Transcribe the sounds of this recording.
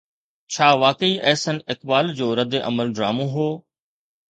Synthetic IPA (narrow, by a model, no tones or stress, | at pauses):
t͡ɕʰaːʋaːkəiʔɛːsənɪkbaːld͡ʑoːɾɐd̪eʔɐ̰məlɖɾaːmõɦoː